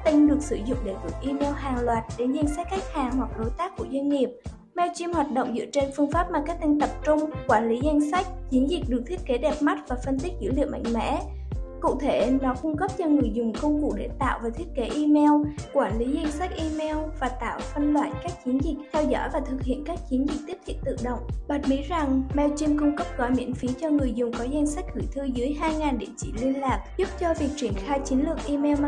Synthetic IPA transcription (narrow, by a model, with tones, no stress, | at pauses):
k̚t̪ï˧ŋ̟ɗɨ˨˩ək̚sɨ˧˩zʊ̰˧˨ŋ͡mɗe˧˩t̪u˨˩k̚ʔi˧mɛ˧wɦaː˨˩ŋlwaː˨˩t̚ɗe˨˩nza˧jŋ̟sɛ˦˥k̚xa˦˥k̚haː˨˩ŋhwa˨˩k̚ɗo˨˦jt̪aː˦˥kːu˧˩əzwa˧jn̟ːi˨˩əp̚ | mɛ˧wt͡ɕi˧mhwaː˨˩t̚ɗo̰˧˨ŋ͡mzɨ̰˧˥ət͡ɕe˧nfɨ˧əŋfaː˦˥p̚maː˨˩kaː˦˥k̚t̪ï˧ŋ̟t̪ə˨˩p̚t͡ɕʊ˧ŋ͡mkwaː˧˩nli˨˦za˧jŋ̟sa˦˥k̟̚t͡ɕi˨˦ənzï˨˩k̚ɗɨ˨˩k̚t̪ʰi˦˥ət̚ke˨˦ɗɛ˨˩p̚ma˦˥t̚vaː˨˩fə˧nt̪i˦˥zɨ̰˧˥lḭ˧˨əma̰˧˨ŋ̟mɛ̰˧˥ | kṵ˧˨t̪ʰe˧˩nɔ˨˦kʊ˧ŋ͡mkə˦˥p̚t͡ɕɔ˧ŋɨ˨˩əjzʊ˨˩ŋ͡mkə˧wŋ͡mkṵ˧˩˥ɗe˧˩t̪a̰ː˧˨wvaː˨˩t̪ʰi˦˥ət̚ke˨˦ʔi˧mɛ˧wkwaː˧˩nli˨˦za˧jŋsa˦˥k̚ʔi˧mɛ˧wvaː˨˩t̪a̰ː˧˨wfə˧nlwa̰ː˧˨nkaː˦˥k̚t͡ɕi˨˦ənzï˨˩k̚t̪ʰɛ˧wzɔ̰˧˥jvaː˨˩t̪ʰɨ˨˩k̚hḭ˧˨ənkaː˦˥k̚t͡ɕi˨˦ənzi˨˩k̟̚t̪i˦˥t̪ʰḭ˧˨nt̪ɨ̰˧˨ɗə̰˧˨wŋ͡mɓa˨˩t̚mi˨˦za˨˩ŋmɛ˧wt͡ɕi˧mkʊ˧ŋ͡mkə˦˥p̚ɣɔ˧˩jmḭ˧˥ənfi˨˦ənt͡ɕɔ˧ŋɨ˨˩əjzʊ˨˩ŋ͡mkɔ˨˦za˧jŋsa˦˥k̟̚hɨ˧˩jt̪ʰɨ˧zɨ˨˦əjɦaː˧jŋaː˨˩nɗḭ˧˩t͡ɕḭ˧˩li˧ənlaː˨˩k̚zʊ˦˥p̚t͡ɕɔ˧vi˨˩ək̚t͡ɕi˧˩ənxaː˧jt͡ɕi˨˦nlɨ˨˩ək̚ʔi˧mɛ˧wm˧